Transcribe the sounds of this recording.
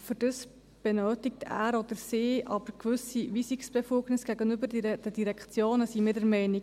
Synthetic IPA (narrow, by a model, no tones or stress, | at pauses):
fʏɾd̥əs | b̥ɛnøːtɪk̚tʰæ̰ːɾɔd̥̪əɾsɪːʔɑb̥əɾkʋʏsiʋisiksb̥ɛfuːɡnɪsɡ̥æɡənybəɾd̥ɛdiɾɛkʰt͡sjoːnəsimɪːɾdɛɾmɛɪni